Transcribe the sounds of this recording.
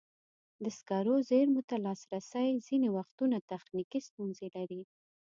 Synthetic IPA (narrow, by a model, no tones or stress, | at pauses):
d̪əskɑɾozeɾmʊt̪alɑsɾasajzinewaxt̪unat̪axnikist̪unzelaɾi